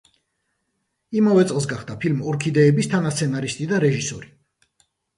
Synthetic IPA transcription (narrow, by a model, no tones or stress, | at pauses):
imavɛt̪sʼlˠs̬ɡaχd̪apʰilmɔɾkʰid̪ɛːbist̪ʰanast̪sʰɛnaɾist̪ʼid̪aɾɛʒisɔɾi